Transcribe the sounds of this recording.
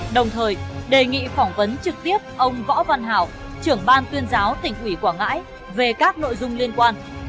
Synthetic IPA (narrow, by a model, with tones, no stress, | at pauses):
ɗə˨˩wŋ͡mt̪ʰəː˨˩jɗe˨˩ŋḭ˧˨fɔ˧˩wŋ͡mvə˨˦nt͡ɕɨ˨˩k̚t̪i˦˥əp̚ʔə˧wŋ͡mvɔ̰˧˥va˧nɦa̰ː˨˩w | t͡ɕɨ˧˩əŋɓaː˧nt̪wi˧ənzaː˨˦wt̪ï˨˩ŋ̟ʔwi˧˩kwaː˧˩ŋa̰ː˧˥j | ve˨˩kaː˦˥k̚no̰˧˨jzʊ˧ŋ͡mli˧ənkwaː˧n